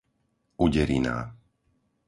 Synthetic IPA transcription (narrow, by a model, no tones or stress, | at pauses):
uɟɛɾḭna̰ː